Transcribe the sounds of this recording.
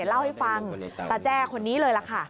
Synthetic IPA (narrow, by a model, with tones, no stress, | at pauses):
nla˥˩wha˥˩jfa˧ŋt̪ɛ˨˩t͡ɕɛː˥˩kʰo˧nːiː˦˥lɤː˧jla˨˧˩kʰa˥˩